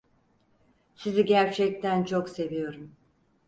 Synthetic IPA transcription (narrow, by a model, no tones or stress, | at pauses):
siziɟæɾt͡ʃʰɛc̚t̪ʰænt͡ʃʰo̞kse̞vijo̞ɾum